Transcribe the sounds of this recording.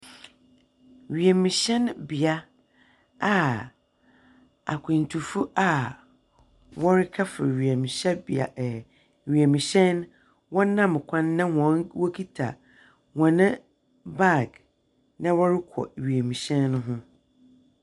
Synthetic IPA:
ɥi˨e˨mĩ˨ɕɛ̃˦nbi˨a˦ | a˨ | a̰˨kʰʊ̃˨n˨tʰu˨fu˦ʔa˨ | wɔ˦ɾɪ˦kʰa˦fɾɥi˨æ˨mĩ˨ɕɛ˦bi˨a˨ʔ | ɥi˨æ˨mĩ˨ɕɛ̃˦n | wɔ˦nã˦m˨kʷʰã˦nːã˦wɔ̃˨˦wo˦kʰi˦tʰa̰˨ | wɔ̃˨nɪ̃˦ | ba˦˨ɡ | nã˦wɔ˦ɾɪ˦kʰɔ̰˨ɥi˨e˨mĩ˨ɕɛ̃˦nːʊ̃˦ɦʊ̃˦

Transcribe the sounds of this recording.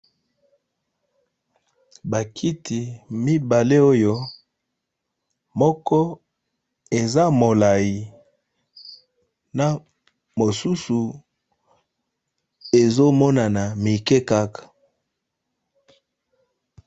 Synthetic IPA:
ba˨kʰi˦tʰi˨mi˦ba˨le˦o˦jo˦ | mɔ˦kɔ˦ | e˨za˦mo˨la˨ji˨ | na˨ | mo˨su˦su˨ | e˨zo˦mɔ˦na˨na˨mi˨ke˦ka˦kḁ˨

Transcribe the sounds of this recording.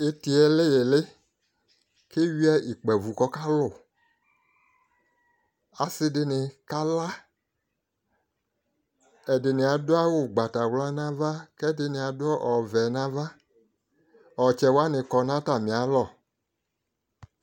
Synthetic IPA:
e˦ti˨ɛ˨le˦je˨lɪ˦ | ke˦ɥi˦ɛ˦ʔi˨k͡pɛ˨vu˨kɔ˦ka˦lʊ˨ | a˨sɪ˦dɪ˦nɪ˨ka˦la˦ | ɛ˨dɪ˨nɪ̃˨a˨dʊ˦a˦wo˦˨ɡ͡ba˨ta˨wla˦nã˦va˦kɛ˦dɪ˦nɪ̃˨a˨dʊ˦ɔ˦ʔɔ˨vɛ˨nã˦va˦ | ɔ˨t͡ʃɛ˨wo˦a˦nɪ̃˨kɔ˨nã˦ta˦˨mĩ˨a˨lɔ˨

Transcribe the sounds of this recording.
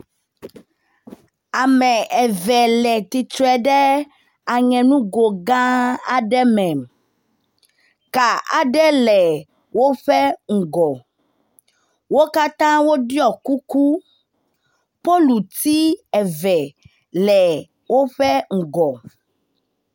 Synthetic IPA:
a˨mɛ̃˨ɛ˨vɛ˨lɛ˨t̪i˨t̪ɾɛ˨ɖɛ˦ | a˨ɲɛ̃˨nũ˦ɡo˨ɡã˦a˨ɖɛ˦mɛ̃˨m | ka˨a̰˨ɖɛ˦lɛ˨ | wo˦ɸɛ˦ŋ̩˨ɡɔ˨ | wo˦ka˦t̪ã˦wo˦ɖi˦ɔ˨ku˦ku˦ | po˦lu˨t̪i˦ɛ˨vɛ˨ | lɛ˨ | wo˦ɸɛ˦ŋ̩˨ɡɔ˨

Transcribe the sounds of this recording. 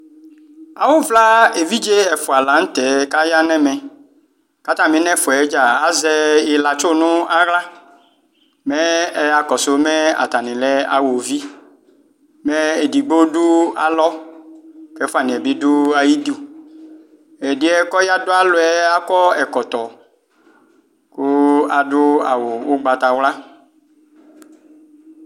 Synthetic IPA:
a˨wo˦fla˦e˨vi˦d͡ʒe˦ɛ˨fʊ˨a˨la˨˦ŋ̩˦t̪ɛ˨ka˦ja˦nɛ̃˦mɛ̃˨ | ka˦t̪a˦˨mĩ˨˦nɛ̃˦fʊ˨ɛ˨˦d͡ʒa˨a˨zɛ˦ɪ˨la˨t͡ʃʊ˦nʊ̃˦a˦ɣla˦ | mɛ̃˦ɛ˦a˨kɔ˨so˨˦mɛ̃˦a̰˨t̪a˨nɪ̃˨lɛ˦a̰˨wo˨vi˦ | mɛ˦e˨di˨ɡ͡bo˦dʊ˦a˨lɔ˦ | kɛ˦fa˨nĩ˨ɛ˨bi˦dʊ˦a˨ji˦di˦u˨ | ɛ˨dɪ˦ɛ˦kɔ˦ja˦dʊ˦a˦lʊ˦ɛ˦a˦kɔ˦ɛ˨kɔ˨t̪ɔ˨ | kʊ˦a˨dʊ˦a̰˨wʊ˨ʊ˦ɡ͡ba˨t̪a˨wla˦

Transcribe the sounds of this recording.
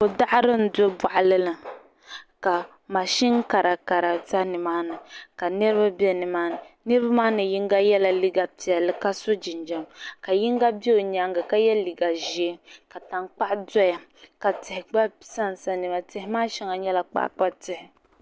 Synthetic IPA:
o˨da˦ʔa˦ɾɨ˦n̩˨˦do˦ba˨ʔlɨ˦nɨ˨ | ka˨ | ma˨ʃi˦ŋ˦ka˨ɾa˨ka˨ɾa˨ta˦nɨ˨maː˦nɨ˨ka˨nɨ˦ɾɨ˦ba˦bɛ˦nɨ˨maː˦˨nɨ˦ɾɨ˦ba˦maː˦nɨ˨ji˦ŋɡa˦jɛ˦la˦li˦ɡa˨pi˨ɛ˨lɨ˨ka˦so˦d͡ʒi˨nd͡ʒɛ˦mka˨ji˦ŋ˦ɡa˦bi˦o˨ɲa˨ŋɡɨ˨ka˦jɛ˦li˨ɡa˨ʒi˨e˦ka˨ta˨ŋk͡pa˦ʔdɔ˦ja˨ | ka˨tɪ˨hɪ˨ɡ͡ba˦sa˦n˨sa˦nɨ˨ma˨tɪ˦hɪ˦maː˦ʃɛ˦ŋa˨ɲɛ˦la˦˨k͡pa̰˦ʔk͡pa˦tɪ˨hɪ˨

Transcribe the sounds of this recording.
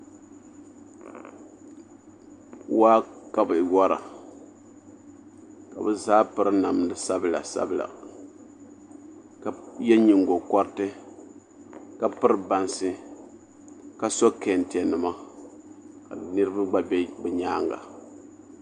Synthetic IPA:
waː˦ka˨bɨ˨wɔ˦ɾa̰˨ | ka̰˨bɨ˨zaː˦pɨ˦ɾɨ˦na˨mdɨ˦sa˦bla̰˨sa̰˦bla̰˨ | ka˨jɛ˦ɲi˨ŋɡo˨kɔ˦ɾtɨ˦ | ka˨pɨ˦ɾɨ˦ba˨nsɨ˦ | ka˨so˦kɛ˨n˨ti˨ɛ˨nɨ˨ma˦ | ka̰˨nɨ˦ɾɨ˦ba˦ɡ͡ba˦bɛ˦bɛ˨ɲaː˦ŋɡa̰˨

